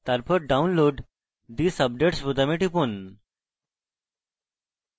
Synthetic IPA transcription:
t̪aɾpʰəɾ̚ɖaunloɖ | d̪iːsəb̚ɖeʈsbut̪ameʈipun

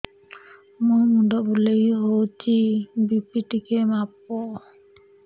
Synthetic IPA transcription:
mumuɖɔbulejɦowt͡ʃʰibipiʈikemap̚o

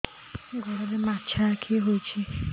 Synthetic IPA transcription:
ɡʱɔɾalemat͡ʃʰakʰiɦot͡ʃʰi

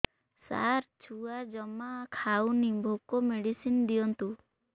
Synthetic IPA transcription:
sa̰ɾt͡ʃʰuad͡ʒɔmakʰawnibʱokɔmeɽisind̪iɔnt̪u

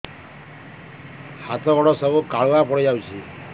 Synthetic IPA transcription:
hat̪ʰɔɡɔɽɔsɔbukaɭuapɔɽid͡ʒawt͡ʃʰi

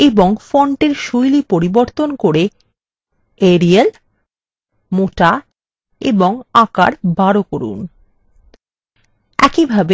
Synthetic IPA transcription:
eboŋfɔɳʈeɾʃojlipoɾiboɾt̪onkoɾe | eɾiel | moʈa | ḛboŋaka̰ɾbaɾokoɾṵn | ɛ̰kibʱabe

